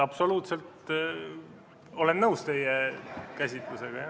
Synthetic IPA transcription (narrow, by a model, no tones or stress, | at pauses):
ɑpso̞luːt̪se̞lt̪ | o̞lenːɤwst̪e̞jekæsʲit̪luse̞ɡ̥ɑjɑ